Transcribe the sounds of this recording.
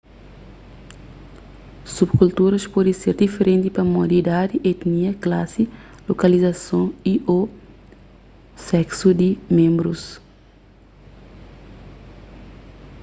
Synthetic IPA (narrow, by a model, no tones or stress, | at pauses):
subkult̪uɾɐspɔd̪iseɾd̪ifeɾẽnt̪ipɐmɔd̪id̪ad̪iʔet̪niɐklasi | lokɐlizɐsõiʔo | sɛksud̪imẽmbɾus